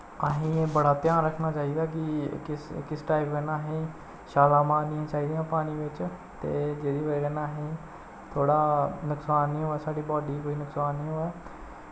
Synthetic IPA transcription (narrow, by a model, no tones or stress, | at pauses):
əɦĩːeːbəɽaːt̪jãːnɾəkʰnaːt͡ʃaːiːd̪aːk̬ɪkɪskɪsʈaːɪpɡənaːɦĩː | ʃaːlaːmãːniãːt͡ʃaːiːd̪eãːpaːñiːʋɪt͡ʃ | t̪ḛːd͡ʒeːd̪iːʋəɡənaːɦĩː | t̪ʰoːɽaːnʊksaːnːĩːɦoːɛːsaːɖiːbɔːɖiːkoːiːnʊksaːnːĩːɦoːɛː